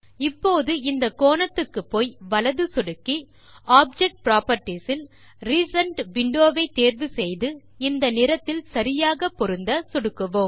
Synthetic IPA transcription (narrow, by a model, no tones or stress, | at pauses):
ɪpːoːðɯɪnd̪ɐkoːnɐt̪ːɯkːɯpːoːjʋɐlɐðɯsɔɽɯkːi | aːb̚d͡ʒɛk̚ʈ̚pɾaːpɐɾʈːisɪl | ɾiːsɐɳʈʋɪɳɖoːʋɐɪt̪ːeːɾʋɯsɛjðɯ | ɪnd̪ɐnɪɾɐt̪ːɪlsɐɾɪjaːɣɐpːɔɾɯnd̪ɐsɔɽɯkːɯʋoːm